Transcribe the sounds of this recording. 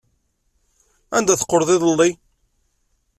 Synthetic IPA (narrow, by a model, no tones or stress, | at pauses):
æ̰nd̪æθə̥qːoɾðˤɪðəlːi